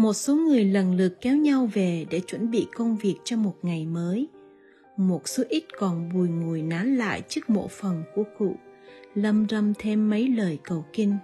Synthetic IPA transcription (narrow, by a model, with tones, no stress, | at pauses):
mo˨˩t̚so˨˦ŋɨ˨˩əjlə˨˩nlɨ˨˩əkːɛ˨˦wɲa˧wve˨˩ɗe˧˩t͡ɕwə˧˩nɓḭ˧˨kə˧wŋ͡mvi˨˩ək̚t͡ɕɔ˧mo˨˩t̚ŋa˨˩jməː˨˦j | mo˨˩t̚so˨˦ʔi˦˥t̚kɔ˨˩nɓu˨˩jŋu˨˩əjnaː˨˦nla̰ː˧˨jt͡ɕɨ˦˥ək̚mo̰˧˨fə˨˩nku˧˩əkṵ˧˨lə˧mzə˧mt̪ʰe˧mːə˨˦jləː˨˩jkə˨˩wki˧ŋ